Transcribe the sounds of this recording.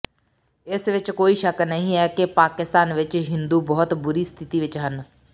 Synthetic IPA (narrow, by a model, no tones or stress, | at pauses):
ɪsʋɪt͡ʃkoːiːʃəknəɦĩɛːkepaːkɪst̪aːnʋɪt͡ʃɦɪ̃nd̪uːbɔːʊt̪bʊɾiːst̪ʰɪt̪iːʋɪt͡ʃɦən